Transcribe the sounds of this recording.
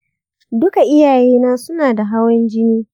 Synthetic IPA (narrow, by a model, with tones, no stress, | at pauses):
dʊ˦ka˨ʔɪ˦jaː˨jeː˦naː˦sʊ˦naː˨da˨ɦa˦wɐ˦nd͡ʒɪ˦niː˦